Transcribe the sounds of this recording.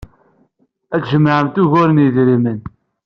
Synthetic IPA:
æt͡sʒəmːʕəmt̪uʝʊɾənjəðɾimən

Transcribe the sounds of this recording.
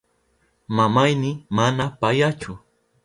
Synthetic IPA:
mamajnɪmanapajat͡ʃʊ

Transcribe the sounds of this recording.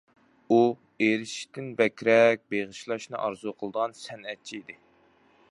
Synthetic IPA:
u | eɾɪʃt̪ʰɪnbɛkʲɾɛk̚ʲbeʁɨʃlˠɑʃnɨʔɑɾzuqʰəlˠd̪əʁɑnsɛnɛt̪̚t͡ʃʰiid̪ɪ

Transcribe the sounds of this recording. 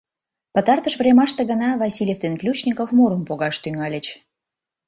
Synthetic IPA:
pət̪ɑrt̪əʃvrʲemɑʃt̪eɣənɑvɑsʲilʲeft̪enklʲut͡ɕnʲikofmoɾəmpoɣɑʃt̪yŋɑlʲə̆t͡ɕ

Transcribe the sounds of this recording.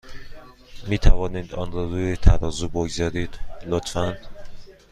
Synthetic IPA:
miːt̪ʰævɒːniːd̪ɒːnɾɒːɾuːjet̪ʰæɾɒːzuboɡzɒːɾiːd̪̥lot̪ʰfænd̪̥

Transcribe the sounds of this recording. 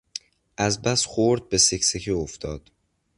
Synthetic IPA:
ʔæzbæsxoɾd̪̚be̞secsecʰioft̪ʰɒːd̪̥

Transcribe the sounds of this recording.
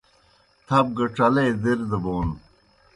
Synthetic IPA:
t̪ʰɐb̚ɡɐʈ͡ʂɐlejd̪eɾd̪ɐboːn

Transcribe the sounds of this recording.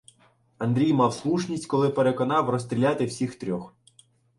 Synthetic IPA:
ɐnd̪ɾʲijmɑwslˠuʃnʲisʲtʲkɔlˠɪpeɾekɔnɑwrɔst̪ʲɾʲilʲɑt̪ɪwsʲixt̪ɾʲɔx

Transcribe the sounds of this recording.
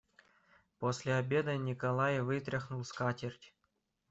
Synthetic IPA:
posʲlʲeabʲed̪ənʲikɐlˠajvɨt̪ɾʲɪxnulˠskatʲerʲtʲ

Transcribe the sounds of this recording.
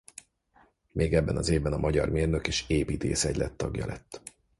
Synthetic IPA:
mʔeːɡɛbːɛnɒzeːvbɛnɒmʔɒɟɒrmeːrnøkeːʃeːpiːt̪eːsɛɟlʔɛt̪ːɒɡjɒ̰lʔɛt̪ː

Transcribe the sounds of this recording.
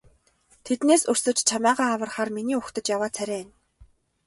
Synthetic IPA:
t̪ʰet̪neːsɵrsɵ̆t͡ɕt͡ɕʰamæːʁaːawə̆rχaːrminiːɵxt̪ə̆t͡ɕjawaːt͡sʰæɾʲæːn

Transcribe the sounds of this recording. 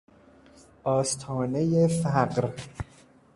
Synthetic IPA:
ʔɒːst̪ʰɒːne̞jefæɢɾ

